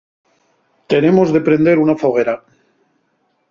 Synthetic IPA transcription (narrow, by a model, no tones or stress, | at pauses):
t̪e̞ne̞mo̞zðe̞pɾe̞nd̪e̞ɾunafoɣ̞e̞ɾa